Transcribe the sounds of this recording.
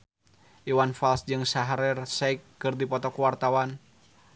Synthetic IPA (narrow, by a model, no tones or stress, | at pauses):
ʔiwanfalsd͡ʒɨŋsaɦaɾɛrsɛikːɨrdipɔt̪ɔkuwart̪awan